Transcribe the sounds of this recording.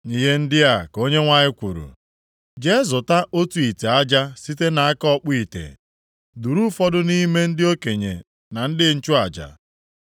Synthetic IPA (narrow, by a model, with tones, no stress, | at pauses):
ni˨ɦe˦n̩˦dɪ˦a˨ko˦ɲe˦ŋʷa˦˨ɲɪ˦kʷu˨ɾṵ˨ | d͡ʒe˦zʊ˨ta˦ʔo˦tu˨i˨te˨a˦d͡ʒa˦si˦te˦na˨a˦kɔ˦k͡pi˨tḛ˨ | du˨ɾu˦fɔ˦dʊ˦ni˦me˦n̩˦dɪ˦o˦ke˨ɲḛ˨ | na˨n̩˦dɪ˦n̩˦t͡ʃʊ˦a˨d͡ʒa̰˨